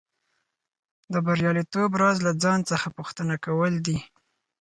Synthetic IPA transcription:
d̪əbaɾjɑlit̪obɾɑzlad͡zɑnt͡səxapuxt̪ənakawəld̪i

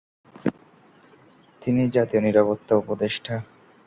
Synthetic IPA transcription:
t̪inid͡ʑat̪ioniɾapot̪ːaupod̪eʃʈʰa

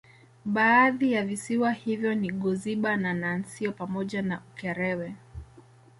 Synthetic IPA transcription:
ɓaːðijavisiwahivjɔniɠɔziɓananansiɔpamɔʄanaʔukɛɾɛwɛ

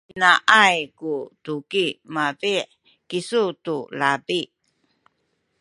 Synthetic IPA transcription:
inaʔajkutukimabiʔ | kisutulabi

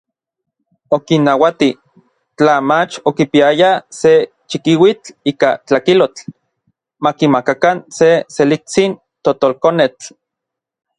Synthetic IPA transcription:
okinːawat̪i | t͡ɬamat͡ʃokipiajase | t͡ʃikiwit͡ɬiːkat͡ɬakilot͡ɬ | makimakakanseselit͡sin | t̪ot̪olkonet͡ɬ

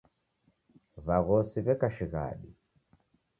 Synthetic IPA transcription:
βaɣɔsiβɛkaʃiɣa̰ɗi

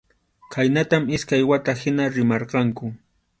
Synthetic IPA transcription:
kʰajnat̪amɪskajwat̪ahɪnaɾɪmɑɾqɑŋkʊ

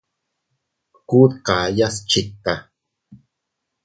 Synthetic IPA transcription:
kuːt̪qaːjast͡ʃit̪ːa

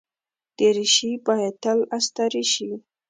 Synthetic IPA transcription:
d̪̥eɾiʃipajat̪alast̪aɾiʃi

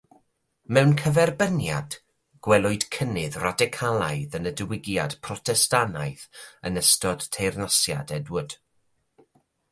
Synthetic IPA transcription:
mɛwnkʰəvɛrbənja̰d̥ | ɡ̥wɛlˠʊɨd̥kʰənɨðradɪkʰalˠajðənədəwɪɡjad̥pʰrɔtʰɛstanajθənəstɔd̥tʰejrnasja̰dɛdwʊd̥

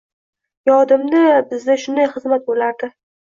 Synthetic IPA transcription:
jɒd̪ɪmnɪbɪzd̪aʃʊnd̪ajχɨzmat̪̚bolaɾd̪ɪ

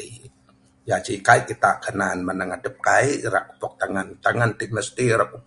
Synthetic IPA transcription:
i | jad͡ʒikaiʔkit̪aʔkʰənanmanaŋadəp̚kaiʔra̰ʔku̥pɔk̚t̪aŋant̪aŋandimnast̪iɾakup

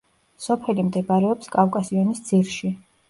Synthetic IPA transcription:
sɔpʰɛlimd̪ɛbaɾɛɔpskʼafkʼasiɔnisd̪z̥iɾʃi

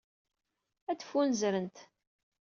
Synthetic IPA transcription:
æd̪fːunzɾənt̪

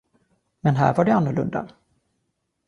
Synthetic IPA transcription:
mɛnɦæ̰ːɾvaɖɛanːʊɭɵ̰nd̪a̰

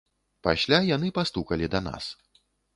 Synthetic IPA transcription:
pa̰sʲlʲajanɨpast̪ukɐlʲid̪ɐna̰s

